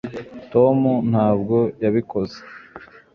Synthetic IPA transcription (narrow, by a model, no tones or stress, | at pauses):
to̞mun̥haːbɡo̞jaβiko̞ze̥